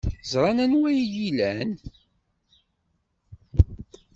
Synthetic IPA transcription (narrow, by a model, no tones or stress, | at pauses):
zɾˤɑnænwæjjilæn